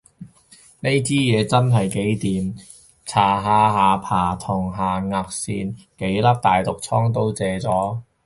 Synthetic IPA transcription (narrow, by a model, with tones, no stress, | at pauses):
ne˥jt͡siː˥jɛː˨˧t͡sɐ˥nɦɐ˨jke˨˥jt̪iː˨m | t͡sʰaː˨˩ɦaː˧ɦaː˨˧pʰaː˨˩t̪ʰʊ˨˩ŋɦaː˨ŋaː˧k̚siː˧nke˨˥jlɐ˥p̚t̪aː˨jt̪ʊ˨k̚t͡sʰɔː˥ŋt̪̬o˥wt͡sɛː˨˧t͡sɔː˨˥